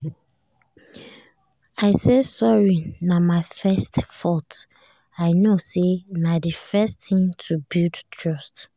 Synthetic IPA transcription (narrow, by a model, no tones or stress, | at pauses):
aɪsesɔɹinamaɪfɛstfɔt | aɪnosenadifɛstĩŋtʰubildtʰɹɔst